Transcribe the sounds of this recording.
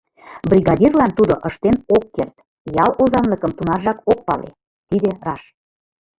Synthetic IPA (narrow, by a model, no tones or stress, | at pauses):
brʲiɣɑdʲirlɑnt̪ud̪oʔəʃt̪enokːert̪ | jɑlozɑnləkəmt̪unɑrʒɑkok̚pɑ̰lḛ | t̪id̪erɑʃ